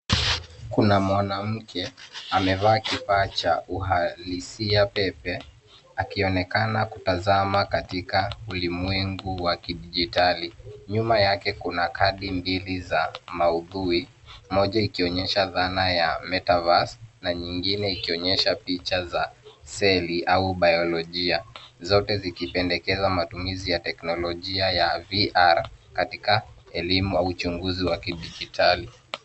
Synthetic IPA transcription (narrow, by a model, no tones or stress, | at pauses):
kunamwanam̩kʰɛamɛvaːkifaːt͡ʃaʔuɦalisiapɛpɛ | akiɔnɛkanakutazamakatikaulimwɛŋɡuwakiɗiʄitaliɲumajakɛkunakʰaɗimbilizamauðui | mɔʄaikiɔɲɛʃaðanajamɛtavasnaɲiŋɡinɛikiɔɲɛʃapit͡ʃazasɛliʔauɓajɔlɔʄiazɔtɛzikipɛndɛkɛzamatumizijatɛknɔlɔʄiajaviʔaɾkatikaɛlimuaut͡ʃuŋɡuziwakiɗiʄitʰali